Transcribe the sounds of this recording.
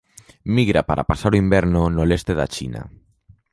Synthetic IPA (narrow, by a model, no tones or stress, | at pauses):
miɣɾapaɾʔa̰pasaɾoimbɛɾnonolest̪eða̰t͡ʃḭna̰